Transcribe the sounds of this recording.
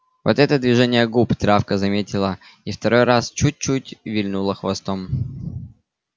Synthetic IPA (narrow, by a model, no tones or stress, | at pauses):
vo̰t̪ɛt̪əd̪vʲɪʐɛnʲɪjəɡupt̪ɾafkəzɐmʲetʲɪlˠə | ift̪ɐɾo̞jɾast͡ɕut̚ʲt͡ɕutʲvʲɪlʲnulˠəxvɐst̪o̞m